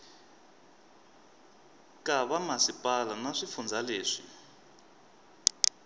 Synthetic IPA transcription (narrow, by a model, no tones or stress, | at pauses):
kʼaβamasipʼalanaʂifund͡zaleːʂḭ